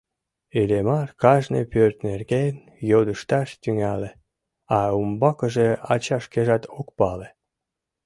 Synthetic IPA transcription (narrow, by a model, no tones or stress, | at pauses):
elemɑrkɑʒnḛpørt̪nerɣen | jod̪əʃt̪ɑʃt̪yŋæle | ɑumbɑkəʒeɑt͡ɕɑʃkeʒɑt̪okpɑle